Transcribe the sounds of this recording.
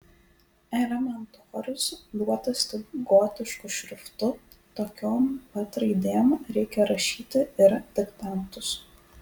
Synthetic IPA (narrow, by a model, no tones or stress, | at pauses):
ɛlʲɛmʲɛnt̪oːɾʲʊsd̪uɔt̪ɐsʲt̪ʲɪɡoːt̪ʲɪʃkʊʃʲɾʲʊft̪ʊ | t̪oːkʲoːmpɐt̪ɾɐɪd̪ʲeːmɾʲɛɪkʲɛɾɐʃʲiːt̪ʲɪɪɾd̪̥ʲɪkt̪ɑnt̪ʊs